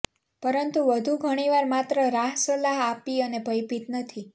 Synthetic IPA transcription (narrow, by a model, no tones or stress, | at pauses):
pəɾənt̪uʋəd̪ʱuɡʱəɽ̃iʋaɾmat̪ɾəɾaɦsəlaɦapiənebʱəjpit̪nət̪ʰi